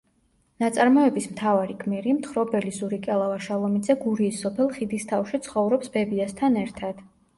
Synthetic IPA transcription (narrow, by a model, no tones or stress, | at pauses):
nat̪sʼaɾmɔɛbismt̪ʰavaɾikʰʼmiɾimt̪χɾɔbɛlizuɾikʼɛlˠavaʃalˠɔmid̪zɛɡuɾiːsːɔpʰɛlˠχid̪ist̪ʰafʃit̪sʰχɔvɾɔpsbɛbiast̪ʰanɛɾt̪ʰad̪̥